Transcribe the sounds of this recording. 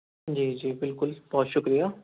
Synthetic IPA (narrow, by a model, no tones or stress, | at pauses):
d͡ʒiːd͡ʒiːbɪlkʊlb̥ɔːt̪ʃʊkɾijaː